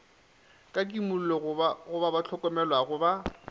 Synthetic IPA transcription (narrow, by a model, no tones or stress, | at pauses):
kʼak̬ʼimʊl̩lɔɣʊbabat͡ɬʰɔkʼɔmɛlwaɣʊba